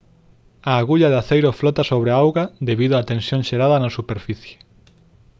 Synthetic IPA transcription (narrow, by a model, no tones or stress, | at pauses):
aːɣuʎaðaθejɾoflɔt̪asoβɾeaawɣad̪eβiðʊaːt̪ensjõŋʃeɾaðɐnasupeɾfiθje̥